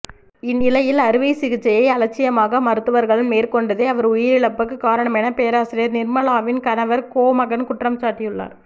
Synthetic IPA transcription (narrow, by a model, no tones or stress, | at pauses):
ɪnːɪlɐjɪlɐɾɯʋɐɪsɪɣɪt͡ʃːɐjɐɪɐlɐt͡ʃːɪjɐmaːɣɐmɐɾɯt̪ːɯʋɐɾɣɐɭɯmmeːɾkɔɳɖɐðeɐʋɐɾʊjɪɾɪɭɐpːɯk̬ːɯkaːɾɐɳɐmɛnɐpeːɾaːsɪɾɪjɐɾnɪɾmɐlaːʋɪnkɐnɐʋɐɾkoːmɐɣɐnkʊʈrɐmt͡ʃaːʈːɪjɯɭːa̰ːɾ